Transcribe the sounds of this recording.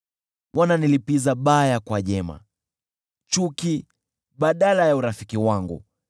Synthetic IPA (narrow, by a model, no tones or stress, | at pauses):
wʔananilipizaɓajakwaʄɛma̰ | t͡ʃuki | ɓaɗalajauɾafikiwaŋɡṵ